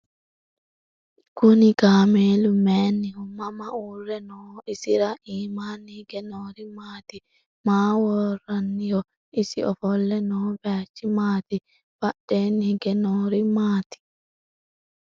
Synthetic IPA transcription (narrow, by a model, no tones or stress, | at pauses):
kʊnɪɡaːmeːlʊmeːnːɪhʊmːɐmɐuːrːɛnoːɪsɪɾaʔiːmaːnːɪhɪɡɛnoːɾɪmaːt̪ɪ | maːwɔrːɐnːɪjɔ | ʔɪsɪʔɔfɔlːɛnoːbaːt͡ʃːɪmaːt̪ɪ | bɐɗeːnːɪɡɛnoːɾɪmaːt̪ɪ̥